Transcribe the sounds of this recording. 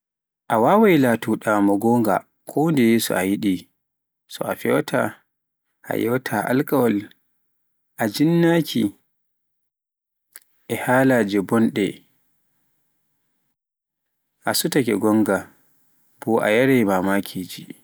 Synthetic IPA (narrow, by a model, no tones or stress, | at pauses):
ʔawaːwajlatuɗamɔɡɔŋɡa̰ | kʰɔndɛjeːsɔ̰ʔajiɗi | sɔ̰a̰fɛwtʰa̰ | ʔa̰jɛwtʰaʔa̰lkawɔl | ʔad͡ʒinːakʰḭ | ʔɛhaːlaːd͡ʒɛbɔnɗɛ | ʔasutakɛ̰ɡɔŋɡa | b̥ɔʔa̰jaɾɛjmamaːkʰiːd͡ʒi